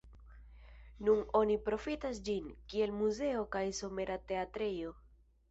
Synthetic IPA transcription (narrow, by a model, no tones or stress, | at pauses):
nuno̞nipɾo̞fitasd͡ʒinkie̞lmuze̞okajso̞me̞ɾate̞atɾejo̞